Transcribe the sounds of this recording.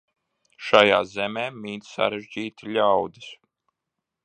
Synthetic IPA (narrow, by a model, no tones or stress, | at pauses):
ʃaja̰ːzɛmeːmʲiːt̪sa̰ɾɛʒd͡ʑiːt̪ilʲawd̪is